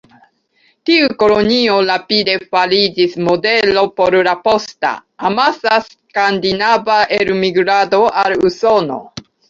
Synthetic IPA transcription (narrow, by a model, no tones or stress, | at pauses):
tiuko̞lo̞nio̞ɾapide̞falid͡ʒismo̞de̞lo̞po̞ɾlapo̞sta̰amasas | kand̪inavaʔeɾmiɡɾado̞ʔaluso̞no̞̰